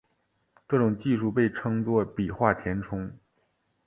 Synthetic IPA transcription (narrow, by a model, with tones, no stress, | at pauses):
ʈ͡ʂɤ˥˩ʈ͡ʂʊ˨˩ŋt͡ɕi˥˧ʂu˥˧pe˥˩ɪʈ͡ʂʰɤ˥ŋt͡swɔ˥˩pi˨˩xwa˥˩t̪ʰjɛ˧˥nʈ͡ʂʰʊ˥ŋ